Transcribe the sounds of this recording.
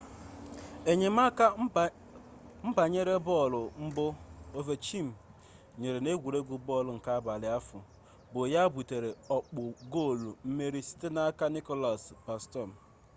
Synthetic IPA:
e˨ɲe˨ma˦ka˦ | m̩˦ba˨ɲe˦ɾe˦bɔ˦˨lʊ˨m̩˦bʊ˦o˦ve˦t͡ʃi˦˨m̩˨ | ɲe˨ɾe˨ne˦ɡʷu˨ɾe˦ɡʷu˨bɔ˦˨lʊ˨ŋ̩˨ka˦ba˨lɪ˨˦a˦fʊ̰˨ | bo˨ja˦bu˨te˨ɾe˨ɔ˨k͡pʊ˨ɡo˦˨lu˨m̩˦me˦ɾi˦si̥˦te˦na˦a˦ka˦ni˦kɔ˦la˨spa˨stɔ˦˨m̩˨

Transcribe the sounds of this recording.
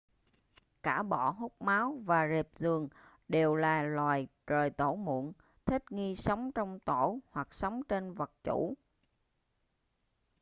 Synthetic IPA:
kaː˧˩ɓɔ̰˧˩˨ɦu˦˥k͡p̚maː˨˦wvaː˨˩zi˨˩p̚zɨ˨˩əŋ | ɗe˨˩wlaː˨˩lwaː˨˩jt͡ɕəː˨˩jt̪o˧˩mṵ˧˨ən | t̪ʰï˦˥k̚ŋi˧sə˨˦wŋ͡mt͡ɕɔ˧wŋ͡mt̪o˧˩hwa˨˩k̚sə˨˦wŋ͡mt͡ɕe˧nvə˨˩k̚t͡ɕṵ˧˩˥

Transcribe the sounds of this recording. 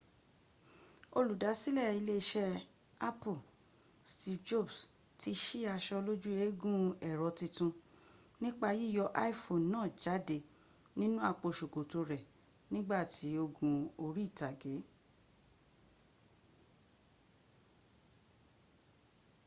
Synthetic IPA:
o˧lu˨da˨˦si˦lɛ˦˨i˧le˦ʃɛ˦˧ | a˦pu˦˨ | sti˧fd͡ʒo˦˨bs | tʰi˧ʃi˦a˧ʃɔ˧lo˦d͡ʒu˦e˨˦ɡũ˦ɛ˨ɾɔ˨˧tĩ˧tũ˧ | nĩ˦k͡pa˦˧ji˦˨jɔ˧ʔa˦i˦fo˨nnãː˦˨d͡ʒa˨˦de˨ | nĩ˦nũ˦a˦˨k͡po˧ʃu˨ko˨to˧ɾɛ˨ | nĩ˦ɡ͡ba˦˨ti˨˦o˧ɡũ˧o˧ɾi˦˨ta˨ɡe˨˦

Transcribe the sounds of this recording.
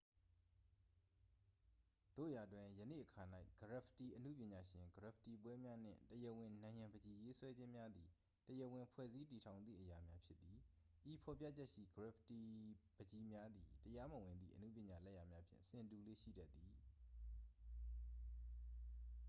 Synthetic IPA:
d̪̥o̰˦˨ja˨twɪ̃˨jənḛ˦˨ʔəkʰa˨na˦ɪɡ̥əɹa˨pʰti˨ʔənṵ˦˨pjɪ̃˨ɲa˨ʃɪ̃˨ŋɡəɹɪ˨pʰti˨p̬wɛ˦mja˦n̥ɪ̰̃˦˨təjə˦˨wɪ̃˨nã˨ɪ̃jã˨bəd͡ʑi˨je˦swɛ˦d͡ʑɪ̃˦mja˦d̪i˨ | təjə˨wɪ̃˨pʰwɛ̰˦˨zi˦ti˨tʰã˨ʊ̃nd̪ðḭ˦˨ʔəja˨mja˦pʰjɪ˦t̪t̪ːi˨ | ʔi˨pʰɔ˨pja̰˦t͡ɕɛ˦ʔʃḭ˦˨ɡəɹɪ˨pʰti˨bəd͡ʑi˨mja˦d̪ḭ˨təja˦mə˨wɪ̃˨nd̪ðḭ˦˨ʔənṵ˦˨pjɪ̃˨ɲa˨lɛ˦˨ja˨mja˦pʰjɪ̰̃˦˨sɪ̃˨tu˨lḛ˦˨ʃḭ˦˨dɛ˦ʔt̪ːi˨

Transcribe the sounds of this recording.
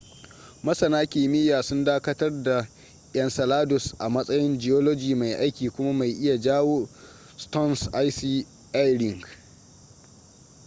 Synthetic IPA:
mɐ˦sɐ˨naː˦kʲɪː˨mɪ˦jaː˨sʊ˦ndaː˦kɐ˦tɐ˦rda˨ | jɐ˨nsɐ˨laː˦dʊ˨sʔa˨mɐ˦sʼɐ˦jɪ˦nd͡ʒɪ˨jo˦loː˦d͡ʒiː˨ma˨jʔa˦jkʲiː˨kʷʊ˦ma˦ma˨jʔɪ˦ja˨d͡ʒaː˦woː˦ | stɔ˦nsʔa˦jsiː˦ | ʔa˦jɾɪ˨ŋɡ

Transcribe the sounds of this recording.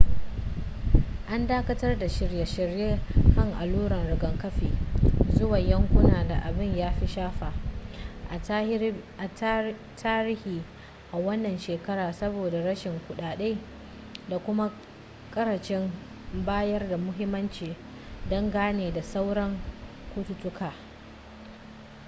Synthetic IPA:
ʔa˦ndaː˦kɐ˦tɐ˦rda˨ʃɪ˨rja˨ʃɪ˨ɾjeː˦kɐ˦˨ŋʔa˨luː˦ɽɐ˨nɽɪ˨ɡɐ˨ŋkɐ˦ɸiː˨zʊ˦wa˨jɐ˦ŋkʷʊ˦naː˨da˨ʔa˨bɪ˦ɲjaː˦ɸi˦ʃaː˦ɸaː˨ | ʔa˨t | tʰaː˦ɾɪ˦hiː˨ | ʔa˨wɐ˦nːɐ˨nʃeː˨kɐ˦ɾaː˨sɐ˦boː˨da˨ɾɐ˦ʃɪ˨ŋkʷʊ˨ɗaː˨ɗe˦ | da˨kʷʊ˦ma˦ | kʼɐ˦ɾɐ˨t͡ʃɪ˦m | baː˦jɐ˦rda˨mʊ˦ɦɪ˦mːɐ˦nt͡ʃiː˨ | dɔ˦ŋɡaː˦neː˨da˨sa˦wɽɐ˦ŋ | kʷu˦tʊ˨tʊ˦kʰaː˨

